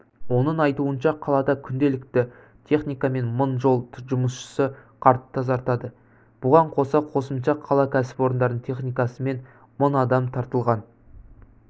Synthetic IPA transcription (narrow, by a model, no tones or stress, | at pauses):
wo̞nəɴɑjt̪uənʃɑqʰɑlˠɑd̪ɑkʲʰʏnd̪e̞lɪkt̪ɪ | t̪ʰe̞χnijkɑme̞nmʊnʒo̞lˠʒʊməsʃə̥səqʰɑɾt̪t̪ːɑzɑɾt̪ɑd̪ə | b̥ʊʁɑɴqʰo̞sɑqʰo̞səmʃɑqʰɑlˠɑkʲʰæsɪ̥po̞ɾənd̪ɑɾd̪əɴt̪ʰe̞χnijkɑsəme̞n | monɑd̪ɑmt̪ʰɑɾt̪əlˠʁɑn